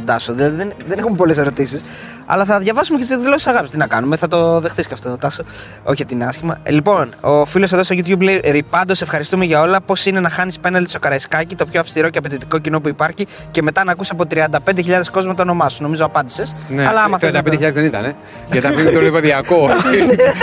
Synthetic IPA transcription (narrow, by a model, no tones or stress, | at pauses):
d̪ɐsoðilɐðiðenðe̞nexumepo̞le̞se̞ɾo̞t̪isis | ɐ̰lɐθɐðʝɐvɐsumecet̪isekðilo̞ssɐɣɐpist̪inɐkɐnumeθɐt̪o̞ðe̞xθisceɐft̪ot̪ot̪ɐso | o̞çit̪inɐscimɐ̰lipo̞nofiloseðost̪oʝit̪ʝupleiɾipɐnd̪o̞sefxɐɾist̪ume̞ʝɐo̞lɐpo̞sine̞nɐxɐnispe̞nɐld̪iso̞kɐɾɐiskɐcit̪o̞pçoɐfst̪iɾo̞ceɐpet̪it̪iko̞cino̞p̬uipɐɾçi | ce̞me̞t̪ɐnɐkusɐp̬o̞t̪ɾiɐnd̪ɐpe̞nd̪eçiʎɐðe̞sko̞zmɐt̪ɐːno̞mɐsu̥no̞mizoɐpɐnd̪ise̞sneɐlɐɐmɐθt̪ɾeɐd̪ɐped̪eçʎɐðezðenit̪ɐ̰ne | ɐt̪ɐint̪olipeðiɐko